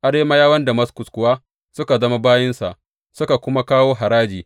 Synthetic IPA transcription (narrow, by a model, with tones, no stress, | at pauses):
ʔa˨ɽeː˦ma˦jaː˦wɐ˦nda˨mɐ˦skʊ˨skʷʊ˨waː˦ | sʊ˦ka˨zɐ˦ma˦baː˦jɪ˦nsa̰˨ʔ | sʊ˦ka˨kʷʊ˦ma˦kaː˦woː˦ɦa˨ɾaː˦d͡ʒiː˨